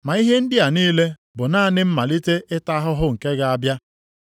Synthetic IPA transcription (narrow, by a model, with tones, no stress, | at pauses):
ma˨i˦ɦe˦n̩˦dɪ˦a˨niː˦le˦ | bʊ˨naː˦˨nɪ˦m̩˦ma˨li˦te˦ʔɪ˦ta˦ɦʊ˦ɦʊ˦ŋ̩˨ke˦ɡa˦a˦bja˦